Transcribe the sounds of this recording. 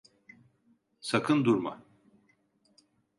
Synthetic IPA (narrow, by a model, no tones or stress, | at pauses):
sakʰɯnd̪uɾma̰